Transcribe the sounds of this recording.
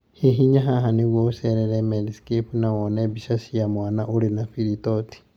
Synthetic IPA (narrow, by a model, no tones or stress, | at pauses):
hiɦiɲaɦaɦaniβwouseɾeɾemelisi̥kipunawoneβiʃasijamwaːnaʔulinafilitoti̥